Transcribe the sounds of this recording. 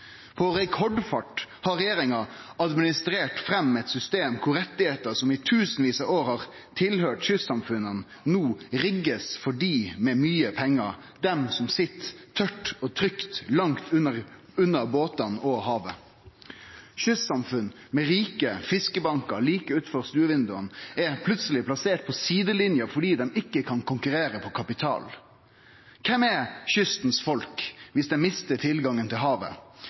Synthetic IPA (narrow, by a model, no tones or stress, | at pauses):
pʰɔɾɛkʰɔɖfɑʈhɑɾɛjeːɾɪŋɑ | ɑd̪mɪnɪst̪ɾeːʈfɾɛmːɛt̪sʏst̪eːmkʰʊɾɛt̪ːɪheːt̪əsɔmɪt̪ʰʉːsnʋiːsɑoːɾhɑɾ | t̪ʰɪlɦøːʈʃʏsɑmfʉnən | nuːɾɪɡːəsfɔɖiːmɛːmyːəpʰɛŋːəɾ | d̪ɛmsɔmsɪt̪ʰːœʈːɔt̪ʰɾʏkt̪lɑŋt̪ʰʉə | ʉnːəboːt̪ɑnɔhɑːʋə | ʃʏssɑmfʉn | mɛʁiːkəfɪskəbɑŋkəɾliːkəʉːt̪fɔʁst̪ʉːəʋɪnd̪ʉənɛpʰlʉt̪səlɪplɑseːʈ̚pʰɔsiːd̪əlɪnjəfɔɖiːd̪ɛmɪkːəkʰɑnkʰʊŋkʉɾeːɾəpʰɔkʰɑpɪt̪ʰɑ̰ːl | kʰɛmɛʃʏst̪n̩sfɔlkʋɪsd̪ɛmɪst̪ət̪ʰɪlɡɑŋːənt̪ɪlɦɑːʋə̰